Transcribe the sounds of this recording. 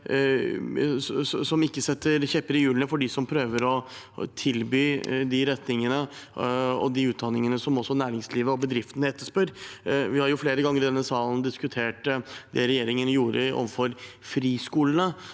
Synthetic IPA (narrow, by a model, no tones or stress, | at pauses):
sɔmɪkːəsɛt̪ːəɾçɛpːəɾɪjʉːlənəfɔɖɪsɔmpʰɾøːʋəɾɔ | t̪ʰɪlbyːd̪ɪɾɛt̪nɪŋənə | ɔ̰d̪ɪʉːt̪̚d̪ɑnɪŋənəsɔmɔsːɔnæːɾɪŋsliːʋəɔbəd̪ɾɪft̪ənəɛt̪ːəʂpœɾʋɪhɑɾjʊfleːɾəɡɑŋːəɾɪd̪ɛnːəsɑːln̩d̪ɪskʉt̪ʰeːʈd̪ɛɾɛjeːɾɪŋənjuːɾəɔ̰ʋəfɔɾfɾiːskuːlənə